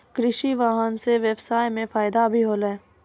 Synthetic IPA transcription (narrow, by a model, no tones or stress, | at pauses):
kɾɪʃiʋaːɦənseʋɛbsaːjmẽfaːjd̪abʱiɦoːlɛː